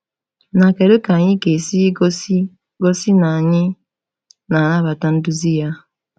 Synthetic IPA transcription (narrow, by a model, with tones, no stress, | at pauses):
na˨ke˨ɾo˦ka˨ɲɪ˦ke˨si˦ɡo˦si˦ | ɡo˦si˦na˨ɲɪ˦ | na˨na˦βa˨ta˦n̩˦du˦zi˦ja˦